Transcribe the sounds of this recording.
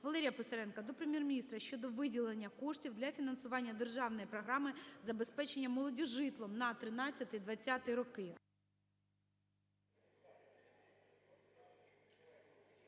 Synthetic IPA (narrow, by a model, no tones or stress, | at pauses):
ʋɐlˠɛɾʲijɐpɪsɐɾɛnkɐd̪ɔpɾemʲjɛrmʲnʲist̪ɾɐʃʲt͡ʃɔd̪ɔʋɪdʲilˠenʲːɐkɔʂtʲiwd̪lʲɐfʲinɐnsʊʋɑnʲːɐd̪erʒɑwnɔjipɾɔɦɾɑmɪzɐbe̞spɛt͡ʃenʲːɐmɔlˠɔdʲɔʒɪt̪lˠɔmnɐt̪ɾɪnɑt͡sʲːɐt̪ɪjd̪ʋɐt͡sʲːɑt̪ɪjiɾɔkɪ